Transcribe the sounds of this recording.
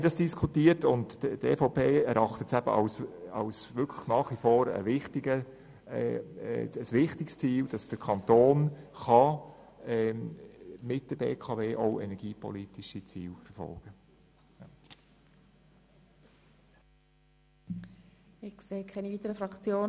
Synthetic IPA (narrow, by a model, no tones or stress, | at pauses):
dɑsd̥iskʰutiːəɾtʊnttefoʊpʰeːɛ̰ɾʔɑχtətsæb̥ə̰ʔɑ̰ʊsɑ̰ʊsʋʏkʰlə̥χnɑːχʋifoːɾə̰ʋɪχtiɡə | əsʋɪχtɪkst͡siːld̥ɑsd̥əɾkʰɑnt̪oːnχɑ | ɛ | mɪt̚d̥əɾbḛːkʰɑveːʔoʊɛ̰nɛɾɡ̥iːpɔ̰liːtiʃit͡siːlfɛɾfɔ̰lɡ̥ə | ɪkseːkʰɛniviːt̪əɾəfɾɑkt͡sjoː